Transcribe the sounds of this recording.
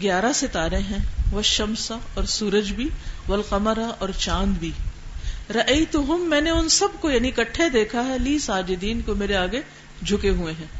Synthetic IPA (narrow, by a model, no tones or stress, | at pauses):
ɡjaːɾaset̪aːɾẽɦɛ̃ʋɐʃɐmsaɔːɾsuːɾəd͡ʒbʱiʋɐlqɐməɾaʔɔːɾt͡ʃãːnd̪bʱiː | ɾɐʔɐjt̪ʊɦʊmːɛ̃ːneʊnsɐb̚kojaːnikɐʈʰːed̪eːkʰaɦɛliːsaːd͡ʒɪd̪iːnkomeːɾeaːɡe | d͡ʒʱʊkeɦuẽɦɛ̃ː